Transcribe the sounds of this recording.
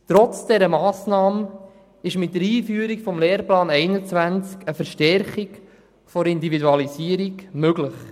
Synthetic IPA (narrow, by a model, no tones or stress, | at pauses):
t̪ɾɔt͡sd̥ɛɾəmɑːsnɑːmə | ɪʃmɪt̚dəɾiːfyːəɾikfɔmleːɾplɑːnɛɪnət͡svænt͡skəfəɾʃtɛɾχik | fɔɾɪnd̪ividuɑlisiəɾiɡmøɡlɪχ